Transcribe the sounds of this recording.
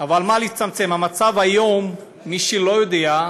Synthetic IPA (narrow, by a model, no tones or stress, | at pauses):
avalmaliit͡samt͡se̞mhamat͡savhajo̞mː | iʃelo̞jod̪ea